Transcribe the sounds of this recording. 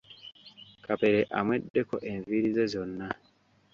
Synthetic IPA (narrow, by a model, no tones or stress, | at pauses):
kape̞ɾeʔamwe̞dːe̞ko̞ʔeɱviɾizezo̞nːa